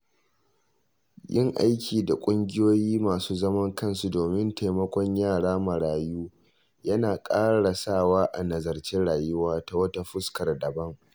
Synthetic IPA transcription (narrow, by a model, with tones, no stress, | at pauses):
jɪ˦ŋʔa˦jkʲʰiː˨da˨kʷʼʊ˦ŋɡʲɪ˦joː˦jiː˦maː˨suː˦zɐ˦mɐ˦ŋkɐ˦˨nsu˨doː˨mɪ˦nta˨jmɐ˦kʷɔ˦ɲjaː˦˨ɽaː˦ma˨ɽaː˨juː˦ | jɐ˦naː˨kʼaː˦ɽa˨saː˦˨waː˦ʔa̰˨nɐ˨zɐ˨rt͡ʃi˦ɽaː˨jʊ˦waː˦ta˦wɐ˦ta˦ɸʊ˦skɐ˨rdɐ˨bɐ˦ŋ